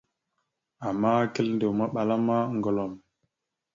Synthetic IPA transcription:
a˨mːa˦ke˦lnde˨wma˦ɓa˨la˦ma˦ŋɡo˨lo˨n

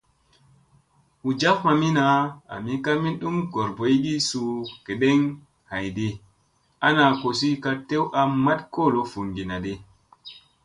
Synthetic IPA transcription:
hu˨d͡ʒa˦kma˨mi˦na˨˦a̰˨mi˦ka˦mi˦nɗu˦mɡo˨ɾbo˨˦jɡi˦su˨ke˨ɗe˦ŋ | ha˨jde˦ | a˦na˨ko˨si˦ka˦te˦wʔa˦ma˦tko˦˨lo˦fu˨ŋɡi˨na˨de˦

